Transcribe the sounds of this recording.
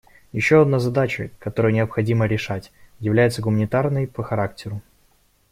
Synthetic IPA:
jɪɕːoɐd̪nazɐd̪at͡ɕə̰kɐt̪o̞ɾɨjnʲɪəpxɐdʲiməɾʲɪʂatʲjɪvlʲæjɪt̪səɡʊmənʲɪt̪arnəjpəxɐɾaktʲɪɾʊ

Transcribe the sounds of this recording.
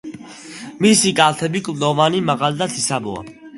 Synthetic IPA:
misikʼaːlt̪ʰɛbikʼulɔvanimaɣald̪at̪ʰisabɔ̰a̰

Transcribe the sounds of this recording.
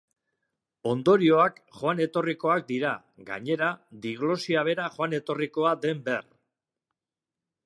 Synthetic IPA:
o̞nd̪o̞ɾio̞akʝoane̞t̪o̞riko̞ak̚d̪iɾa | ɡa̰ɲe̞ɾad̪iɣ̞lo̞siaβ̞e̞ɾaχoane̞t̪o̞riko̞ad̪e̞mber

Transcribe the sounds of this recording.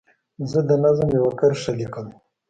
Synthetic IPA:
zəd̪ənazəmjawakaɾʂalikəm

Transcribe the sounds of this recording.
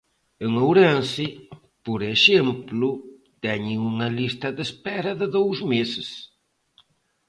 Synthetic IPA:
eŋowɾensɪ | poɾeʃemplʊ | t̪ɛɲɪŋuŋɐlist̪ɐðespɛɾɐðɪðowzmesɪs

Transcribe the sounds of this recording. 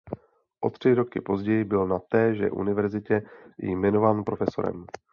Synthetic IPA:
ʔo̞t̪r̝̥ɪɾo̞kɪpo̞zɟɛjɪbɪlnat̪ɛːʒɛ̰ʔṵnɪvɛɾzɪcɛjɪ̰mɛno̞vaːnpɾo̞fɛso̞̰ɾɛ̰m

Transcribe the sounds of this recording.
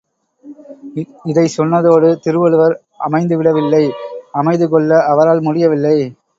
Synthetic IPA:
ɪðɐɪsɔnːɐðoːɽɯt̪ɪɾɯʋɔɭɯʋɐɾ | ʔɐmɐɪnd̪ɯʋɪɽɐʋɪlːɐɪɐmɐɪðɯkɔɭːɐʔːʋɐɾaːlmʊɽɪjɐʋɪlːɐɪ

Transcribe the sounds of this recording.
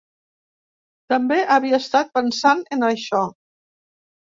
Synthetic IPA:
t̪əmbeʔaβiaest̪at̪̚pənsanenəʃɔ

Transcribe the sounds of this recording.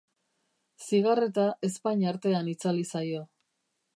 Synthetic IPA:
siɣaret̪aʔe̞spaɲaɾt̪e̞anit͡salisajo̞

